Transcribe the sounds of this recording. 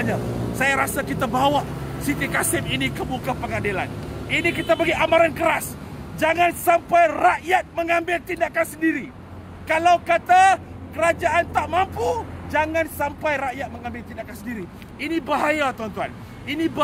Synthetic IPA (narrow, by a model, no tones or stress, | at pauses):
ɲasajaɾasakit̪abawaʔsit̪ikasɪminĩkəmukapəŋadila̰ninĩkit̪abaɡiamaɾankəɾas | d͡ʒaŋãnsampajraʔjat̪̚mə̃ŋãmbɪlt̪indakansəndiɾi | kalawkat̪a | kəɾad͡ʒaʔːnt̪aʔmampud͡ʒaŋãnsampajɾaʔjat̪̚mə̃ŋãmbɪlt̪indakansəndiɾi | inĩbaɦajat̪uant̪ua̰n | inĩb